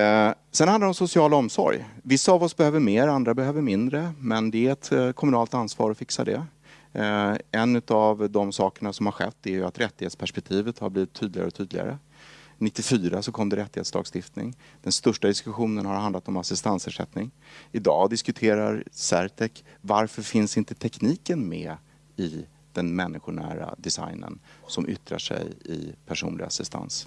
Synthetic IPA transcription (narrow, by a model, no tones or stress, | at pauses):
sɛnhanadɾɔmsʊsɪɑːlɔmsɔ̰ɾjvɪsːaːvɔsbɛhøːvəɾmeːɾand̪ɾabɛɦøːvəɾmɪnd̪ɾəmɛnd̪ɛæɾɛt̪kʰɔmɵnɑːlt̪ansvɑ̰ːɾɔfɪksa̰d̪ɛ̰ | ɛnːʉ̟t̪avd̪ɔmsɑːkəɳasɔmhaɾɧɛ̰t̪ːɛæjɵat̪ɾɛt̪ːɪheːt̪spʰæʂpɛk̚t̪ʰiːvət̪haɾbliːvɪt̪ʰːyːd̪lɪɡa̰ɾɔt̪ʰyːd̪lɪɡa̰ɾə̰ | nɪt̪ːɪfyːɾasɔkʰɔmːd̪əɾɛt̪ːɪheːt̪slɑːɡst̪ɪft̪nɪ̰ŋd̪̥ɛnst̪œʂʈad̪ɪskɵɧuːnənhaɾhand̪lat̪ɔmasɪst̪anshæʂɛ̰t̪nɪŋɪd̪ɑːd̪ɪskɵt̪ʰeːɾaɾsæɾt̪ʰɛk | vaɾfœɾfɪnsɪnt̪ət̪ʰɛkniːkənmɛ | ɪ | d̪̥ɛnmɛnːɪɧʊɳæ̰ːɾa̰d̪ɛsa̰jnə̰nsɔmʔʏ̰t̪ɾa̰ʂɛ̰jɪ̰pʰæʂṵːnlɪ̰ɡa̰sɪst̪ʰa̰ns